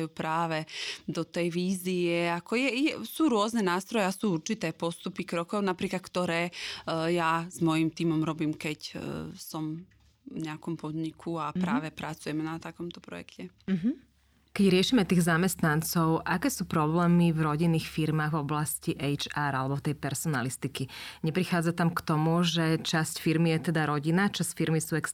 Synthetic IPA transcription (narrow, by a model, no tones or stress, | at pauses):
juːpɾaːʋɛd̪ɔt̪ɛjʋiːziɛakɔjɛjɛsuːɾʊɔznɛnaːst̪ɾɔjɛasuːuɾt͡ʃit̪ɛːpɔst̪upikɾɔkɔʊnapɾiːklat̪̚kt̪ɔɾɛːjazmɔjimt̪iːmɔmɾɔbiːmkɛcsɔm | vɲɛakɔmpɔd̪ɲikʰuapɾaːʋɛpɾat͡sujɛmɛnat̪akɔmt̪ɔpɾɔ̰jɛ̰kcɛɦ̩ | kɛɟɾɪɛʃiːmɛt̪iːɣzamɛst̪nant͡sɔʊʔakɛːsuːpɾɔblɛːmivɾɔɟinːiːxfiɾmaːɣvɔblasciʔɛjt͡ʃaːɾalɛbɔft̪ɛjpɛɾsɔnalist̪ikiɲɛpɾixaːd͡zat̪amkt̪ɔmuʒɛt͡ʃascfiɾmijɛt̪ɛd̪aɾɔɟinat͡ʃascfiɾmisuːɛks